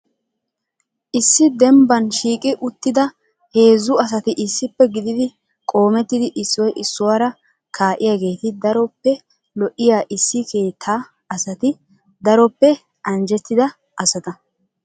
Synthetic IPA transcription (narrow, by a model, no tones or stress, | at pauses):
ʔɪsːɪd̪ɛmbɐnʃiːkʼɪʔʊt̪ːɪd̪ɐ | he̞ːzʊɐs̬ɐt̪ɪʔɪsːɪpːɛɡɪd̪ɪd̪ɪ | kʼo̞ːmɛt̪ːɪd̪ɪʔɪsːɔjʔɪsːʊwaːɾɐ | kʰaːʔɪjaːɡe̞ːt̪ɪd̪ɐɾɔpːɛ | lɔʔɪjaːʔɪsːɪkʰe̞ːt̪ʰːaː | ɐsɐt̪ɪ | d̪ɐɾɔpːɛ | ʔɐnd͡ʒɛt̪ːɪd̪ɐ | ʔɐsɐt̪ɐ